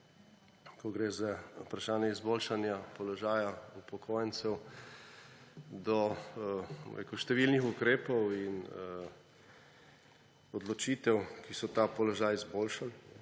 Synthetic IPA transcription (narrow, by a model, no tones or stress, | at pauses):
kɔɡɾeːzaupɾaʃaːnjɛizboːlʃanjapɔlɔʒaːjaupɔkʰoːjɛnsɛw | d̪ɔ | ṵḛkuʃt̪ɛʋilnixukɾeːpɔwin | ɔd̪lɔt͡ʃit̪ɛwkisɔt̪apɔlɔʒaːjizboːlʃal